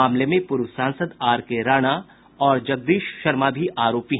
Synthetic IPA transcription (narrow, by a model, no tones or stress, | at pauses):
aːmlemẽpʊɾʋsãːnsəd̪aːɾkeɾaːɽ̃a | ɔːɾd͡ʒɐɡ̚d̪iːʃʃɐɾmabʱiʔaːɾoːpiɦ